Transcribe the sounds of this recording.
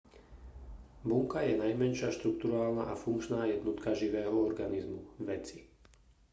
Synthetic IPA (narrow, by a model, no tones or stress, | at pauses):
buŋkajɛnajmɛnʃɪaʃt̪ɾukt̪uɾaːlnaʔafuŋkt͡ʃnaːjɛd̪nɔt̪kaʒiʋɛːɦɔɔɾɡanizmṵʋɛt͡si̥